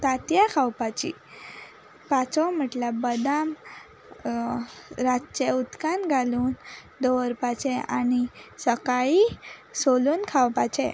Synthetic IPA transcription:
t̪at̪jakʰawpat͡ɕḭ | pat͡sɔm̤əʈlabəd̪am | ɾat͡ɕɛut̪kanɡʱaluːn | d̪oʋəɾpat͡ɕɛanisəkaisoluːnkʰawpat͡ɕɛ̰

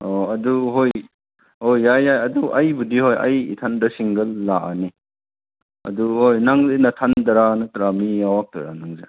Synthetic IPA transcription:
ɔɐduɦoj | hojːajːajɐduʔɐjbudihojɐ̰jḭtʰandɐsiŋɡɐlːaʔani | ɐ̰duhojnaŋzinɐtʰandɐɾanɐtɾamiawak̚tɐ̰ɾa̰naŋze

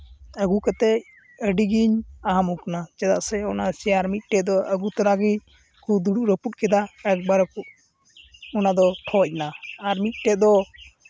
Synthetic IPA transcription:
əɡukat̪ɛc̚ | əɖiɡiɲaɦamukanat͡ʃɛd̪a̰ʔsɛɔnasijaɾmit̪̚ˀʈɛd̪ɔʔəɡut̪ɔɾaɡiɲ | kud̪uɖuʔɾəput̪̚kɛd̪aɛk̚baɾəkuʔ | ɔnad̪ɔʈʰɔc̚naaɾmit̪̚ˀʈɛd̪ɔ

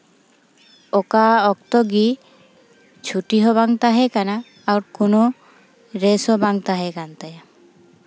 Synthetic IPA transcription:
okaɔk̚t̪ɔɡi | t͡ʃʰuʈiɦɔβaŋt̪aɦɛkanaː | wɾkono | ɾesɔbaŋt̪aɦɛkant̪aja

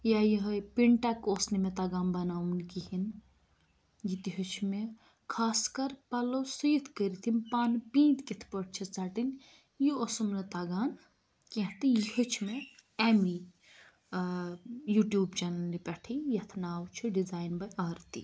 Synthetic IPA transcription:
jajiɦpiɳʈakosnimet̪aɡaːnbɐnaːwunkihin | jit̪iɦət͡ʃʰme | kʰaːskɐɾpɐlosujit̪ʰkəɾit̪ʰinpaːnpĩːnt̪kit̪ʰpəʈ̚ʰt͡ʃʰit͡saʈin | jiosumnɐt̪ɐɡaːn | kiɦt̪ijiɦət͡ʃʰmeɛmi | juʈjuːbt͡ʃɛnɐlnipɛʈʰijɐt̪ʰnaːwt͡ʃʰiɖid͡zaːjnbɐjaːɾt̪ḭ

